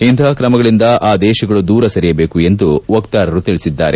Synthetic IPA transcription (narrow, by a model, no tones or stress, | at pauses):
ind̪ʱaːkɾɐmɐɡɐɭind̪ɐʔaːd̪ɛːʃɐɡɐɭud̪uːɾɐsɐɾijɐbe̞ːkue̞nd̪uʋokt̪aːɾɐɾut̪iɭisid̪ːaːɾe